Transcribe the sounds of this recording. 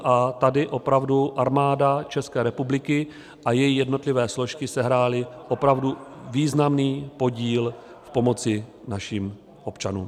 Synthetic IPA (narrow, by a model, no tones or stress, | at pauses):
ʔat̪adɪʔo̞pɾavduʔaɾmaːdat͡ʃɛskɛːɾɛpublɪkɪ | ʔajɛjijɛdno̞t̪lɪvɛːslo̞ʃkɪsɛɦɾaːlɪʔo̞pɾavduviːznamniːpo̞ɟiːl | fpo̞mo̞t͡sɪnaʃiːm | ʔo̞pt͡ʃanṵːm